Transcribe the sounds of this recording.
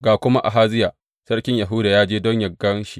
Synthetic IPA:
ɡaː˨kʷʊ˦ma˦ʔa̰˨ɦaː˦zɪ˦jaː˨ | sɐ˦rkʲɪ˦ɲja˨ɦʊ˦daː˨jaː˦d͡ʒeː˦dɔ˦ɲjɐ˨ɡːɐ˦nʃi˨

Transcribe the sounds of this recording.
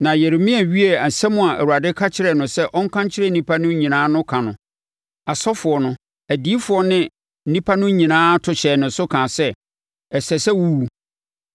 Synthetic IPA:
nã˨jɛ˨ɾɪ˨mĩ˦æ˨ɥi˦e˨a˨sɛ˦mʊ̃˦a˨ʔæ̰˨wu˨a˨dɪ˦kʰa˦t͡ɕʰɪ˦ɾɛ˨nʊ̃˨sɛ˦ʔɔ˦ŋ˦kʰã˦ɲ˦t͡ɕʰɪ˦ɾɛ˦˨nĩ˦pʰa˦nʊ̃˦ɲĩ˨nãː˦nʊ̃˦kʰã˨nʊ̃˨ | a˨sɔ˦fʊ˨ɔ˨nʊ̃˦ | æ˨di˦fʊ˨ɔ˦nɪ̃˦ | n̩˦nĩ˦pʰa˦nʊ̃˦ɲĩ˨nãː˦tʰʊ˨ɕɛ˨nʊ̃˨n˦sʊ˦kʰã˨sɛ˦ | ɛ˨sɛ˨sɛ˦wu˦wu˨

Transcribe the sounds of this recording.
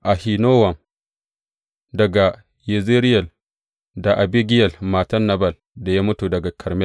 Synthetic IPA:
ʔa˨hi˨noː˦wɐ˨m | dɐ˨ɡa˨ | je˨ze˦ɾɪ˦jɐ˨l | da˨ʔa˨bi˦ɡʲɪ˦jɐ˨lmaː˨tɐ˦nːa˨bɐ˦˨l | da˨ja˦mʊ˦tu˨dɐ˨ɡa˨kʰɐ˨ɾmɛ˦l

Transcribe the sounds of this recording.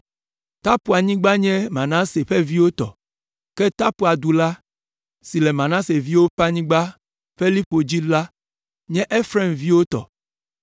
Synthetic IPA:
t̪a˦pu˨a˨ɲĩ˦ɡ͡ba˦ɲɛ̃˦mã˨nã˦se˨ɸɛ˦vi˦wo˦t̪ɔ̰˨ | kɛ˦t̪a˦pu˨a˨d̪u˨la˦ | si˨lɛ˨mã˨nã˦se˨vi˦wo˦pa˦ɲĩ˦ɡ͡ba˦ | ɸe˦li˦po˨d͡ʑi˦la˦ | ɲɛ̃˦ʔe˦fɾɛ˦˨mvi˦wo˦t̪ɔ̰˨

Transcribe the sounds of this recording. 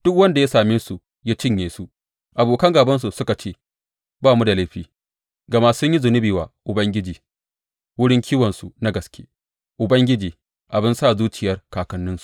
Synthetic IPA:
d̥ʊ˦k̚wɐ˦nda˨ja˦saː˨meː˦su˨ | ja˦t͡ʃɪ˦˨ɲjeː˨su˦ | ʔa˨boː˨kɐ˦ŋɡaː˨bɐ˦ns̬u˨sʊ˦ka˨t͡ʃeː˦ | baː˦˨mu˦da˨lɐ˦ɸiː˦ | ɡɐ˨ma˦sʊ˦ɲji˦zʊ˨nɪ˦biː˨waː˨ʔʊ˨bɐ˦ŋɡʲɪ˦d͡ʒiː˨ | wʊ˦ɽɪ˦ŋkʲʰiː˦wɐ˨nsu˨na˦ɡɐ˨skʲeː˦ | ʔʊ˨bɐ˦ŋɡʲɪ˦d͡ʒiː˨ | ʔa˨bɪ˦nsaː˦˨zuː˦t͡ʃɪ˨jɐ˦rkaː˨kɐ˦nːɪ˦nsu̥˨

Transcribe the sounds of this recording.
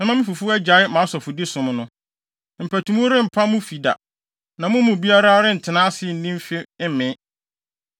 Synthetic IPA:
nã˨mã˦mɪ̃˦fu˨fʊ˦ɛ˦d͡ʑa˨˦ɪ˦mã˨˦sɔ˨fʊ˨dɪ˦sʊ̃˨m̃˦nʊ̃˦ | m̩˨pʰæ˨tʰũ˨mũ˦ɾɪ˦m̩˨pʰa˦mʊ̃˦fi˨da̰˨ | nã˨mʊ̃˦mʊ̃˨bi˦a˦ɾa˦ɾɪ˦n̩˨tʰɪ˨nãː˦sɪ˦˨n̩˨nĩ˦m˦fɪ˦mɪ̃˦

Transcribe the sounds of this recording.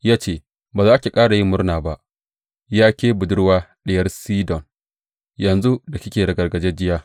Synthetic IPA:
jaː˦t͡ʃeː˦˨ | baː˨zaː˦ʔkʲe˨kʼaː˦ɽa˨ji˦mːʊ˦ɽnaː˨ba˦ʔ | jaː˦kʲeː˦bʊ˨dʊ˦ɽwaː˦ɗɪ˦jɐ˦rsiː˦dɔ˨n | jɐ˨nzu˦da˨kʲɪ˦kʲeː˨ɽɐ˨ɡɐ˨rɡɐ˨d͡ʒe˦d͡ʒɪ˦jaː˦

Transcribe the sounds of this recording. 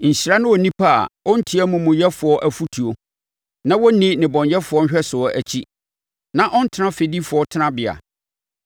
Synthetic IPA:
ɲ̩˨ɕi˨ɾa˦nʊ̃˦wɔ˨nĩ˦pʰa˦˨a̰˨ɔ˦n̩˦tʰi˨˦æ˦mũ˨mũ˨jɛ˦fʊ˨ɔ˦ʔæ˦fu˦tʰu˨o˨ | nã˦wɔ˦nɪ̃˦nɪ̃˨bɔ̃˨ɲjɛ˦fʊ˨˦ɔ˦n̩˦ɕᶣɛ˦sʊ˨ɔ˦ʔæ˨t͡ɕʰi˦ | nã˦ʔɔ˦n̩˦tʰɪ˦nã˦fe˨di˦fʊ˨ɔ˦tʰɪ˦nã˦bɪ˨a̰˨

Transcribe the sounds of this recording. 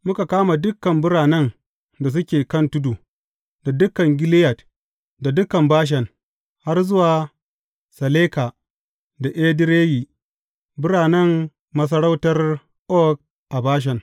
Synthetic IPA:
mʊ˦ka˨kaː˦ma˨dʊ˦kːɐ˨mbʊ˦ɽaː˨nɛ˦n | da˨s̬ʊ˦kʲeː˨kɐ˦ntʊ˦du˨ | da˨dʊ˦kːɐ˨ŋɡʲɪ˦lɪ˦jɐ˨t | da˨dʊ˦kːɐ˨mbaː˦ʃ̬ɛ˨ŋ | ha˦rzʊ˦waː˨ | sɐ˨leː˦ka˨ | da˨ʔe˦dɪ˦ɾeː˦jiː˨ | bʊ˦ɾaː˨nɐ˦mː | ɐ˦s̬ɐ˦ɽa˦wtɐ˦r | ʔɔ˦k̚ | ʔa˨baː˦ʃ̬ɛ˨ŋ

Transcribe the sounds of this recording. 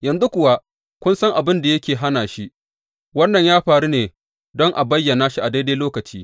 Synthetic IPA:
jɐ˨nzu˦kʷʊ˨wa˦ | kʷʊ˦nsɐ˦ŋʔa˨bɪ˦nda˨jɐ˦kʲeː˨ɦa˦naː˨ʃi˦ | wɐ˦nːɐ˨ɲjaː˦ɸaː˨ɽu˦neː˨ | dɔ˦ŋʔa˨bɐ˦jːɐ˨naː˦ʃi˦ʔa˨da˦da˦loː˦kɐ˨t͡ʃiː˦

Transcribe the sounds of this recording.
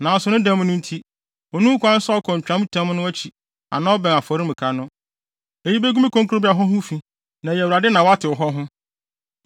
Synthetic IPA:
nã˨n˨sʊ˨nʊ̃˦dã˦m̃˦nʊ̃˦n̩˦tʰi˦ | ɔ˨nũ˦kʰʷã˦n̩˦sa˦ɔ˦kʰɔ̃˨ɲ̩˨t͡ɕᶣã˨˦m˦tʰã˦m˦nʊ̃˦æ˦t͡ɕʰi˨ | ã̰˨nã˦ɔ˦bɛ̃˨a˨fɔ˨ɾɪ˦m̩̃˨kʰa˨nʊ̃˦ | e˨ji˦be˦ɡu˦mẽ˦kʰõ˦ŋkʰɾo˦bi˦a˨ɦɔ̃˦ɦʊ̃˦fĩ˨ | nã˨jwu˨ɾa˨dɪ˦nã˨wa˦tʰɪ˨ɔ˨ɦɔ˦ɦʊ̃˦

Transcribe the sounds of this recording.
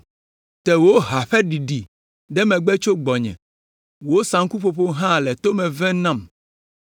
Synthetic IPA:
t̪ɛ˨wo˦ɦa˨ɸɛ˦ɖi˨ɖi˨ | ɖɛ˦mɛ̃˨ɡ͡bɛ˦t͡ʃo˦ɡ͡bɔ˨ɲɛ̰̃˨ | wo˦sã˨ŋ˦ku˦ɸo˨ɸo˦ɦã˦lɛ˨t̪o˦mɛ̃˨vɛ̃˦nã˦˨m

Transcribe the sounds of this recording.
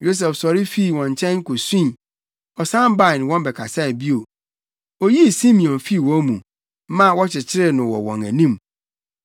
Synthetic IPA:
jo˦s̬ɛ˨fsɔ˨ɾɪ˦fi˦˨wɔ̃˨ɲ˨t͡ɕʰɛ̃˦nŋ̩˦kʊ˨sĩ˦˨ | ɔ˨sã˦m˦ba˦ɪ˨n˨wɔ̃˦mbɛ˨kʰa˨sa˦˨bi˦o˨ | o˦ji˦˨sĩ˦mĩ˨ɔ̃˨nfi˦˨wɔ̃˦mṵ̃˨˦ | mã˦wɔ˦t͡ɕʰɪ˨t͡ɕʰɪ˦ɾɪ˦nʊ̃˨wɔ̰˨wɔ̰̃˨ŋæ̰˨nĩ˦m

